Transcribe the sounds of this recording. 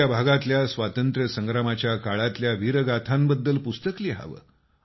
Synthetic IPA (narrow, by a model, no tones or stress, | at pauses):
abʱaɡat̪ljasʋat̪ənt̪ɾəsəŋɡɾamat͡ɕjakaɭat̪ljaʋiɾəɡat̪ʰambəd̪ːəlpust̪əkliɦa̰ʋə̰